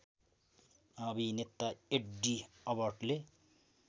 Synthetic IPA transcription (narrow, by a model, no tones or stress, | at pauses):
ʌbʱinet̪ːaeʈɖiʌbʌrʈle